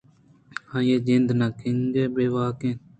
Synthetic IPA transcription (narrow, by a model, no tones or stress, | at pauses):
hãːjeːd͡ʒɪnd̪nãːkɪŋɡeːbeːʋaːkẽn